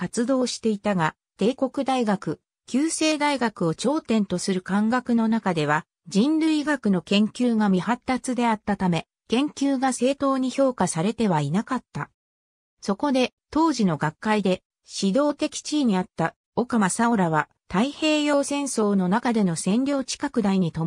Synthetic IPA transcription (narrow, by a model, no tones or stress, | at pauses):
kat͡sɨd̪o̞ːɕi̥t̪e̞it̪aɡa | t̪e̞ːko̞kɯ̟d̪aiɡakɯ̟ | kʲɨːse̞ːd̪aiɡakɯ̟o̞t͡ɕo̞ːt̪ẽ̞nt̪o̞sɨɾɯ̟kãŋɡakɯ̟no̞nakad̪e̞β̞a | d͡ʑĩnɾɯ̟iɡakɯ̟no̞kẽ̞ŋkʲɨːɡamʲihat̪ːat͡sɨd̪e̞at̪ːat̪ame̞ | kẽ̞ŋkʲɨːɡase̞ːt̪o̞ːɲ̟iço̞ːkasaɾe̞t̪e̞β̞ainakat̪ːa | so̞ko̞d̪e̞t̪o̞ːʑino̞ɡakːaid̪e̞ | ɕid̪o̞ːt̪e̞kʲi̥t͡ɕiɲ̟iat̪ːa | o̞kamasaoɾaβa | t̪aihe̞ːjo̞ːsẽ̞ɰ̃so̞ːno̞nakad̪e̞no̞sẽ̞nɾʲjo̞ːt͡ɕi̥kakɯ̟d̪aiɲ̟it̪o